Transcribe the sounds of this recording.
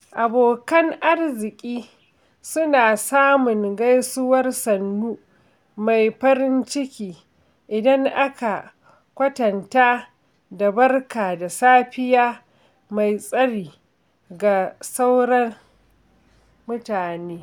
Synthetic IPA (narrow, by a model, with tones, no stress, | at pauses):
ʔa˨boː˨kɐ˦ŋʔa˦rzɪ˨kʲʼiː˦ | sʊ˦naː˨saː˦mʊ˨ŋɡa˦jsʊ˦wɐ˦rsɐ˨nːuː˦ | ma˨jɸɐ˦ɾɪ˦nt͡ʃɪ˦kʲiː˨ | ʔɪ˨dɐ˦ŋʔa˦ka˨ | kʷɐ˦tɐ˨nta˦ | da˨bɐ˦rkaː˨da˨saː˦ɸɪ˦jaː˦ | ma˨jsʼɐ˦ɽiː˨ | ɡa˨sa˦wɽɐ˦r | mʊ˦taː˨neː˦